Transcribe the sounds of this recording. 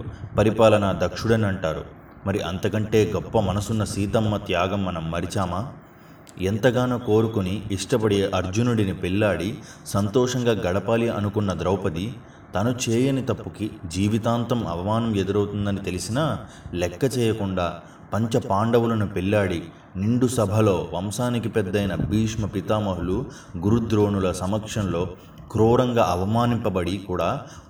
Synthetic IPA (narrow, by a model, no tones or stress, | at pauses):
pɐɾipaːlɐnɐd̪ɐkʂuɽɐniɐɳʈaːɾṵ | mɐɾiʔɐnt̪ɐkɐɳʈe̞ːɡɔpːɐmɐnɐsunːɐsiːt̪ɐmːɐt̪jaːɡɐmːɐnɐmːɐɾit͡ʃaːmaː | ent̪ɐɡaːnɐko̞ːɾukuniːʂʈɐpɐɽeːʔɐɾd͡ʒunuɽinipiɭːaːɽi | sɐnt̪ɔːʂɐŋɡaːɡɐɽɐpaːliʔɐ̰nukunːɐd̪ɾɐwpɐd̪i | t̪ɐnut͡ʃeːjɐnit̪ɐpːukid͡ʒiːʋit̪aːnt̪ɐmɐ̰ʋɐmaːnɐmɛd̪uɾɐwt̪und̪ɐnit̪e̞lisinɐ | lɛkːɐt͡ʃɛːjɐkuɳɖaː | pɐɲt͡ʃɐpaːɳɖɐwulɐnupiɭːaːɽi | niɳɖusɐbʱɐlo̞ːʋɐmsaːnikipɛd̪ːɐjnɐbʱiːʂmɐpit̪aːmɐɦulu | ɡuɾud̪ɾo̞ːnulɐsɐmɐkʂɐnlo̞ː | kɾuːɾɐŋɡaːʔɐʋɐmaːnimpɐbɐɽikuːɽaː